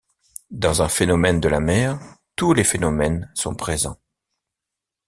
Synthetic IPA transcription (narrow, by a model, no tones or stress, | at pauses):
d̪ɑ̃zɛ̃fenɔmɛnd̪əlamɛʁt̪ulefenɔmɛnsɔ̰̃pχezɑ̰̃